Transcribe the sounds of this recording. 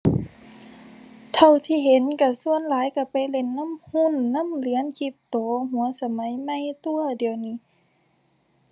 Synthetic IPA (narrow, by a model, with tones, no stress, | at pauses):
t̪ʰa˧˩wt̪ʰiː˧˨ɦe˨˦nka˧˩su˧ənlaː˨˦jka˧˩pa˨jle˧˩˨nːa˧˥˨mhu˧˥˨nːa˧˥˨mlɯ˧˦ə˨nkʰi˧˩p̚t̪ɔː˨˦ɦu˨˦ɐsa˧ma˨˦jma˧˨jt̪u˧ɐdi˨əwniː˧˨